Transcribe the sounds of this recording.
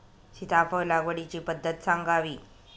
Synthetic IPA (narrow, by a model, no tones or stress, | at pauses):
ɕit̪afəlaɡʋəɽit͡ɕiːpəd̪ʱːət̪saŋɡaʋiː